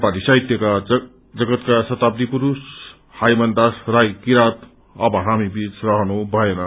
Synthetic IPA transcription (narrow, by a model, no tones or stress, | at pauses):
palisʌɦjt̪jʌka | d͡zʌɡʌt̪kasʌt̪ab̚d̪ipuɾus | hajmʌnd̪asrajkiɾat̪ | ʌbʱʌɦamibit͡srʌɦʌnubʱʌenʌ